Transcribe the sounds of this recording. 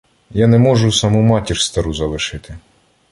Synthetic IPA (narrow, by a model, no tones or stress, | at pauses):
janɛmɔʒʊsɑmumɑtʲirʲst̪ɐɾuzɐlˠɪʃɪt̪ɪ